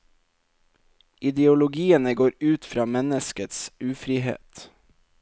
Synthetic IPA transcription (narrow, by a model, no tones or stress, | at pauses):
ʔɪd̪ɛʊlʊɡiːənəɡoːɾʉːt̪fɾɑːmɛnəskət̪sʉːfɾiːɦḛːt̪